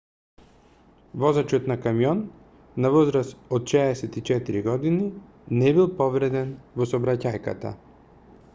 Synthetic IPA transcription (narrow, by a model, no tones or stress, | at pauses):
vɔzat͡ʃɔt̪nakamjɔnː | avɔzɾasɔt̪ʃɛːsɛt̪it͡ʃɛt̪iɾiɡɔd̪ini | nɛbilˠpɔvɾɛd̪ɛnvɔsɔbɾacajka̰t̪a̰